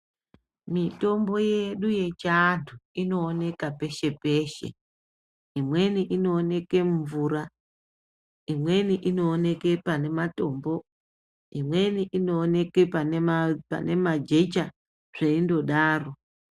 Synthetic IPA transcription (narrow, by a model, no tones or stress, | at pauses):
mito̞mbo̞je̞ɗuje̞t͡ʃaːntʰuino̞ːne̞kape̞ʃe̞pe̞ʃe̞̰ | imwe̞niʔino̞ːne̞ke̞ɱvuɾa | imwe̞niʔino̞ːne̞ke̞pane̞mato̞ːmbo̞ | imwe̞niʔino̞ːne̞kepanpa̰ne̞mad͡ʒet͡ʃa | ʐ̥eindo̞ɗaːro̞